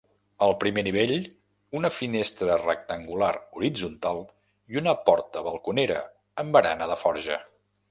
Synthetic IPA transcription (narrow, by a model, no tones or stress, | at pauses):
əlˠpɾimeniβ̞eʎ | unəfinest̪ɾərə̰k̚t̪əŋɡulaɾuɾid͡zunt̪alˠ | iunəpɔɾt̪əβəlˠkuneɾə̰ | əmbəɾa̰nəðəfɔɾʒə̰